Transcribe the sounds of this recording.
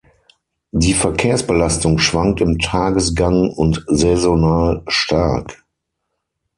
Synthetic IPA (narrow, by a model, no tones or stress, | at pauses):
diːfɛɐkʰeːɐsb̥əlastʊŋʃv̥aŋk̚tɪmtʰaːɡəsɡ̥aŋʊntzɛzonaːlʃtʰaɐk